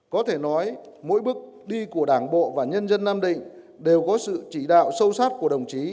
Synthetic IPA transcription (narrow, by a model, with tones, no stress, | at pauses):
kɔ˨˦t̪ʰe˧˩nɔ˨˦j | mo̰˧˥jɓɨ˦˥ək̚ | ɗi˧ku˧˩əɗaː˧˩ŋɓo̰˧˨vaː˨˩ɲə˧nzə˧nːaː˧mɗḭ̈˧˨ŋ̟ | ɗe˨˩wkɔ˨˦sɨ̰˧˨t͡ɕi˧˩ɗa̰ː˧˨wsə˧wsaː˦˥t̚ku˧˩əɗə˨˩wŋ͡mt͡ɕi˨˦